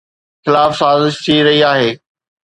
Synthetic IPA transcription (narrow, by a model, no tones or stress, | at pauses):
xɪlaːfsaːzɪʃt̪ʰiɾɐɦiaːɦeː